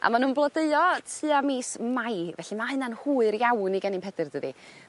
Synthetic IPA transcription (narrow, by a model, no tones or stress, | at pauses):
ʔa̰manuːnblˠɔdeɨɔtʰɨːamiːsmajvɛɬimahɨnanhuːɨɾjawniɡɛnɪmpɛdɨrdəðḭ